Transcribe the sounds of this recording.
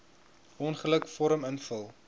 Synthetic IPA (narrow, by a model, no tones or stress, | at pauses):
ʔɔnχələkfɔɾəmənfəlˠ